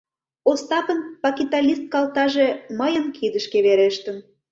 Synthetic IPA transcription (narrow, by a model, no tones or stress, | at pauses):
ost̪ɑpənpɑkit̪ɑlʲist̪̚kɑlt̪ɑʒeməjənkʰid̪əʃkeβeɾeʃt̪ən